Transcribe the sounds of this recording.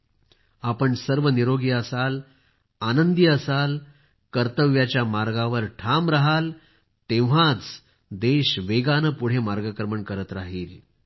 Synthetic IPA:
apəɳsəɾʋəniɾoɡiːəsal | anənd̪iəsal | kəɾt̪əʋjat͡ɕjamaɾɡãʋəɾʈʰamɾaɦal | t̪ẽʋ̤ãt͡s | d̪eɕʋeɡanəpuɽ̤emaɾɡəkɾəməɳkəɾət̪ɾaɦiːl

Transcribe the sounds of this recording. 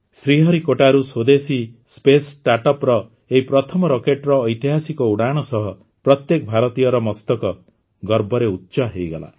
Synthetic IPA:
sɾiɦɔɾikoʈaɾusod̪esispesʈaʈɔpɾɔ | eɦipɾɔt̪ʰɔmɔɾokeʈɾɔːjt̪iɦasikɔuɽaɽ̃ɔsɔɦɔ | pɾɔt̪jekɔbʱaɾɔt̪ijɔɾɔmɔst̪ɔkɔ | ɡɔɾbʱɔɾeut̪ːt͡ʃaɦejɡɔla̰

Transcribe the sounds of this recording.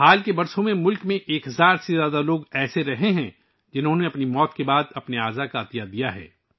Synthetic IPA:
haːlkebɐɾsõmẽmʊlkmẽʔeːkɦɐzaːɾsezjaːd̪aloːɡɛːseɾɐɦeɦɛ̃ | d͡ʒɪnɦõneɐpnimɔːt̪kebaːd̪ɐpneaːzakaːt̪ijad̪ijaɦɛ̰ː

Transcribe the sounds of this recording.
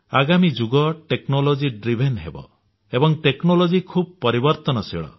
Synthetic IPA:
aɡamid͡ʒuɡɔʈeknolod͡ʒiɖɾibʱenɦḛbɔ̰ | ebɔŋʈeknolod͡ʒikʰub̚pɔɾibɔɾt̪ɔnɔsḭɭɔ̰

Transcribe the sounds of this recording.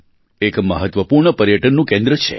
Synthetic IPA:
ekməɦət̪ʋəpuɾɳəpəɾjəʈənːũkẽnd̪ɾət͡ʃʰḛ

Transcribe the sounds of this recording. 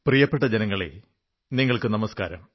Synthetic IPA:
prijɐpːeʈːɐd͡ʑenɐŋːɐɭḛ | niŋːɐɭkɨnɐmɐskaːɾɐ̰m

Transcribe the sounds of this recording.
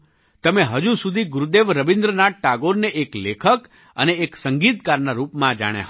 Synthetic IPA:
t̪əmeɦəd͡ʒusud̪ʱiɡʊɾud̪eʋɾəʋind̪ɾənaʈ̚ʈaɡoɾneʔeklekʰək | ə̰neːksəŋɡit̪kaɾnaɾupmãd͡ʒa̰ɽ̃ja̰ɦ

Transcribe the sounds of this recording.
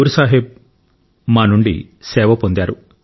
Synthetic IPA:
ɾusaːɦib̚ | maːnuɳɖḭ | sɛːʋɐpond̪aːɾu

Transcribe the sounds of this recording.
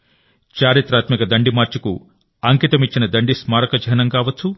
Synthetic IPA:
t͡ʃaːɾit̪ɾaːt̪mikɐd̪ɐɳɖimaːɾt͡ʃɐku | ɐŋkit̪ɐmit͡ʃːinɐd̪ɐɳɖismaːɾɐkɐd͡ʒʱɐnɐŋkaːʋɐt͡sʰu

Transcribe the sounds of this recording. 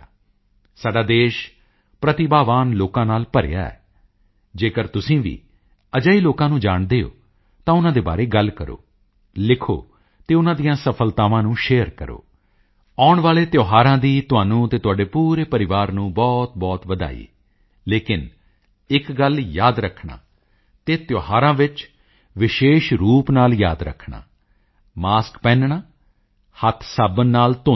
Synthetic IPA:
saːɖaːd̪eːʃ | pɾət̪ɪbaːʋaːnloːkãːnaːlpəɾ̰ja̰ːɛ̰ː | d͡ʒeːkəɾt̪ʊsĩːʋḭː | əd͡ʒaːiːloːkãːnũːd͡ʒaːɳd̪eːo̰ː | t̪ãːʊnãːd̪eːba̰ːɾeːɡəlkəɾo̰ː | lɪkʰo̰ː | t̪eːʊnãːd̪ijãːsəpʰəlt̪aːʋãːnũːʃeːəɾkəɾo̰ː | aːʊɳʋaːleːt̪joːɦaːɾãːd̪iːt̪ʊaːnũːt̪eːt̪ʊaːɖeːpuːɾeːpəɾɪʋaːɾnũːbɔːt̪̚bɔːt̪ʋəd̪a̰ːḭː | leːkɪn | ɪkɡəljaːd̪ɾəkʰɳa̰ː | t̪eːt̪joːɦaːɾãːʋɪt͡ʃ | ʋɪʃeːʃɾuːpnaːljaːd̪ɾə̰kʰːɳa̰ː | maːskpɛ̃ːnɳaː | hət̪ʰsaːbənːaːlt̪ʊ

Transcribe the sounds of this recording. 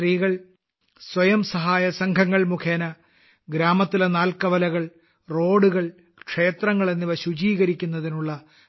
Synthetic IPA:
riːɣɐɭ | swɐjɐmsɐɦaːjɐsɐŋkʰɐŋːɐɭmukʰeːnɐ | ɡɾaːmɐt̪ːilenaːlkɐʋɐlɐɣɐɭ | ro̞ːɽuɣɐɭ | kʂe̞ːt̪rɐŋːɐɭe̞nːiʋɐɕut͡ɕiːɣɐɾikʲːunːɐðinuɭːɐ

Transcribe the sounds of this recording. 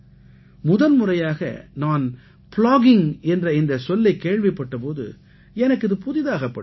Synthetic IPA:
mʊðɐlmʊrɐjaːɣɐ̰naːn | plaːɣɪŋɛndrɐɪnd̪ɐsɔlːɐɪkːeːɻʋɪpːɐʈːɐp̬oːðɯ̰ | ɛnɐkːɪðɯpʊðɪðaːɣɐpːɐɽ

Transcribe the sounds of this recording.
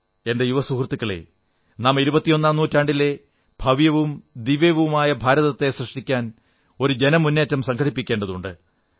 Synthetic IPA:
e̞nde̞juʋɐsukrt̪ːikːɐɭḛ | naːmiɾubɐt̪ːijo̞nːaːmnuːtːaːɳɖilːe̞ | b̥ʱɐʋjɐʋumd̪iʋeʋɐmaːjɐbʱaːɾɐðɐt̪ːe̞srɨʂʈikʲːaːn | o̞ɾud͡ʑe̞nɐmunːeːtːɐmsɐŋkʰɐʈipːikʲːe̞ːɳɖɐðuɳɖɨ

